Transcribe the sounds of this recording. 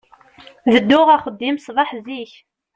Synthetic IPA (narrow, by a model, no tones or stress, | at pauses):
ðəd̪ːʊʁaχəd̪ːimsˤvˤɑħziç